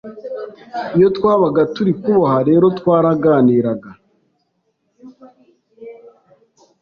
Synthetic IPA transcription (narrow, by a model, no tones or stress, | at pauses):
ijo̞twaːβaɡatuɾikuβohaɾe̞ːɾotwaːɾaɡaːniːɾaɡa